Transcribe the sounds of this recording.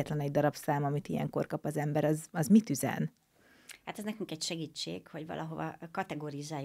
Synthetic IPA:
ɛt̪lɛnɛɟd̪ɒɾɒpsaːmɒmit̪ijɛ̰ŋko̞̰rkɒpɒzɛmbɛɾɒzɒzmit̪yzɛ̰n | haːt̪ɛznɛkyŋkɛcʃɛɡiːt͡ʃːḛːkhoɟvɒ̰lʔɒɦovɒ̰kɒt̪ɛɡoːɾizaːj

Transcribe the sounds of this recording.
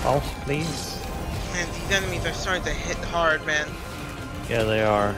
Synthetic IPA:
ha̰lˠspʰl̥iz̥ | mæ̃nðizɛnɨmizə˞sɑɹɪ̃ŋtɨɦɪt̪̚ðəɦɑɹd̚mæ̃n | jæðeɪə˞

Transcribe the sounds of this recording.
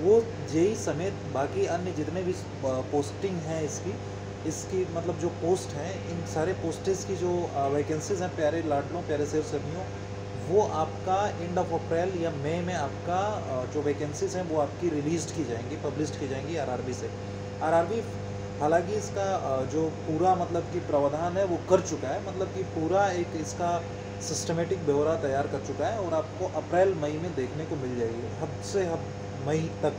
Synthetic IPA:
ʋo | d͡ʒeːisɐmeːt̪baːkiɐnjəd͡ʒɪt̪nebʱi | poːsʈɪ̃ŋɡɦɛ̃ɪski | ɪskimɐt̪ləbd͡ʒoːpoːsʈɦɛ̃ | ɪnsaːɾepoːsʈɪzkid͡ʒoːʋeːkɛ̃nsɪzɦɛ̃pjaːɾelaːʈlõpjaːɾeseːʋsɐɾmijõ | ʋoʔaːpkaẽːɳɖɔːfɐpɾɛːljameːmẽaːp̚kad͡ʒoːʋeːkɛnsɪzɦɛ̃ʋoaːp̚kiɾɪliːzʈkid͡ʒaːẽːŋɡipɐblɪsʈkid͡ʒaːẽːŋɡiaːɾaːɾbʱise | aːɾaːɾbi | ɦɐːlaːkiɪskad͡ʒoːpuːɾamɐt̪ləb̚kipɾɐʋəd̪aːnɦɛʋokɐɾt͡ʃʊkaɦɛmɐt̪ləb̚kipuːɾaeːkɪska | sɪsʈəmeːʈɪk̚bʱeʋɾat̪ɐjaːɾkɐɾt͡ʃʊkaɦɛɔːɾaːp̚koʔɐpɾɛːlmɐimẽd̪eːkʰnekomɪld͡ʒaːeɡiɦɐbseɦɐb | mɐit̪ɐk

